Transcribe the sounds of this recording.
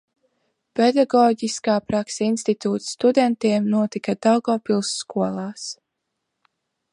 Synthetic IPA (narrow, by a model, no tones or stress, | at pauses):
pɛd̪aɡɔːɟiskaːpɾaksinst̪it̪uːt̪st̪ud̪ɛnt̪iɛmnuɔt̪ikad̪alɡɔːpilˠsːkuɔlˠaːs